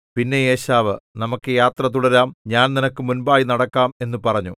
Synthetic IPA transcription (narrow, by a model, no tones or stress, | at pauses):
pinːe̞jeːɕaːʋɨnɐmukːɨjaːt̪rɐt̪̬uɽɐɾaːmɲaːnninɐkːɨmunbaːjinɐɽɐkːaːme̞nːɨpɐrɐɲːṵ